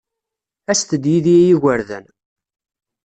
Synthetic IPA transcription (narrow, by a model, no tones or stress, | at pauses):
æst̪əd̪jiðijæjiʝʷəɾðæ̰n